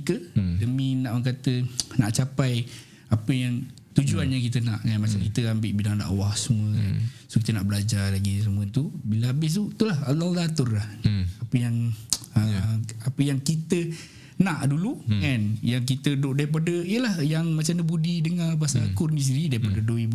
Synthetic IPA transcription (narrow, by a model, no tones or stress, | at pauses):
ikədəmĩnaʔbəkat̪ənaʔt͡ʃapaj | apəjaŋ | t̪ud͡ʒuanjaŋk̬it̪ənaʔkanmat͡ʃamkit̪əambɪʔbilaŋda̰ʔwahsəmuə̃sokit̪ənaʔbəlad͡ʒalaɡis̬əmũət̪ubiləɦabɪs̬t̪ut̪ulahalːadat̪ʊrlahapəjaŋəapəjaŋkit̪ə | naʔdulukanjaŋk̬it̪ədoʔdaɾip̬adəijəlahjaŋmat͡ʃamnəbudidəŋarpasakʊrnis̬ɾidaɾipadədoi